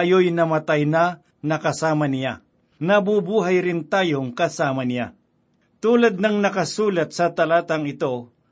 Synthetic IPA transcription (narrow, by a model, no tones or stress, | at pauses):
jojnɐmɐt̪ajna | nɐkɐsaːmɐnɪja̰ | nɐbubuːɦajɾɪnt̪aːjoŋkɐsaːmɐnɪja̰ | t̪uːlɐd̪̚nɐŋnɐkɐsuːlɐt̪̚sɐt̪ɐlaːt̪ɐŋɪt̪o̞